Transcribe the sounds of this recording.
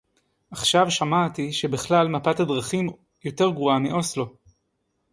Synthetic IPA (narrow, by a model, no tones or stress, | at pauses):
ʔaχʃavʃamat̪iʃe̞biχlalmapatadʁaχim | jo̞te̞ʁɡʁuamːiʔo̞slo̞